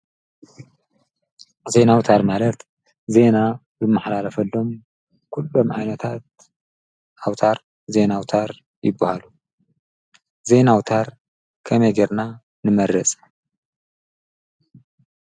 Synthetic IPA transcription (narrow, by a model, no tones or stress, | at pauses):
ze̞nawt̪ʰaɾmalɐt̪ | ze̞na | bɨmːaħlalɐfɐlːo̞m | kʰulːo̞mʕa̰jnɐt̪ʰat̪̚ | ʔawt̪ʰaɾ | ze̞nawt̪ʰaɾ | jɪbːɐhalu | ze̞nawt̪ʰaɾ | kʰɐmɐjɡeɾna | nɨmɐɾɐt͡sʼ